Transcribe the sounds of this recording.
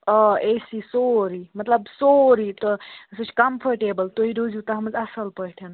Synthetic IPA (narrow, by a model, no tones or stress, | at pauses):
ɔesisoɾimɐt̪ləbsoɾit̪ɔsut͡ʃʰkɐmpʰəɾʈebəlt̪oɦiɾod͡ʒut̪aɦɐməzɐsəlpəɽʈʰen